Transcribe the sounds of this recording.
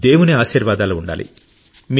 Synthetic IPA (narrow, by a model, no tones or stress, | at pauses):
d̪e̞ːwuneaːʃiːɾʋaːd̪aːloːuɳɖa̰ːlḭ | mi